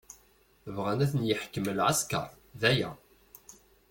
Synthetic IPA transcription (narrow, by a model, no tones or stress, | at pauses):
vʁænæθənjəħkːəməlʕaskɑ̰ɾˤ | ðæjæ